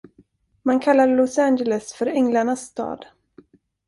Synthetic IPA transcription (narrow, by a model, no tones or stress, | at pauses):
mankʰalːaɾlɔsænd͡ʒɛlɛsfœɾɛŋlaɳasːt̪ɑ̰ːd̪